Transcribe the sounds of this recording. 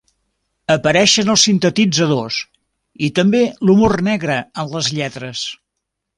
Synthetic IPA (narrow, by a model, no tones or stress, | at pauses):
əpəɾɛʃənəlˠsint̪ət̪id͡zəðos | it̪əmbelumornɛɣɾəənləzʎɛt̪ɾəs